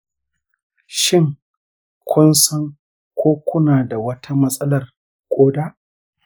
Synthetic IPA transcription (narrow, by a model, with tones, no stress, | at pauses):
ʃɪ˦ŋ | kʷʰʊ˦nsɐ˦ŋ | kʷoː˦kʷʊ˦naː˨da˨wɐ˦tʰa˦mɐ˦sʼɐ˦lɐ˨r | kʷʼoː˦daː˦ʔ